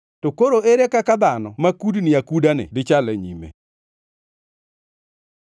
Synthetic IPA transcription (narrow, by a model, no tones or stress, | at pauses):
tokoɾoeɾekakad̪anɔmakudnɪakudanɪ̰dɪt͡ʃalɛɲḭmḛ